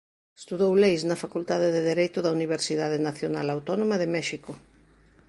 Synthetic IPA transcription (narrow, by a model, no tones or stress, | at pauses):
e̥st̪uðowlejsnɐfakult̪aðeðeðeɾejt̪ʊðɐuniβ̞eɾsiðaðɪnaθjonalawt̪ɔnomɐðɪmɛʃikʊ